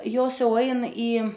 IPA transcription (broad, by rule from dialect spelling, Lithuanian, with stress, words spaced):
ˈjoːs ˈjɛʊ ˈɐɪn iː